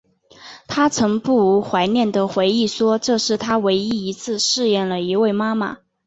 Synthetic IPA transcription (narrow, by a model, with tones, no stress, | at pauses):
t̪ʰa˥t͡sʰɤ˧˥ŋpu˥˩u˧˥xwa˧˥ɪnjɛ˥˩nd̪ə˩xwe˧˥ɪi˥˩ʂwɔ˥ʈ͡ʂɤ˥˧ʂɻ̩˥˩t̪ʰa˥we˧˥ɪi˥i˧˥t͡sʰɹ̩˥˧ʂɻ̩˥˧jɛ˥˩nlə˩i˧˥we˥˩ɪma˥ma̰˩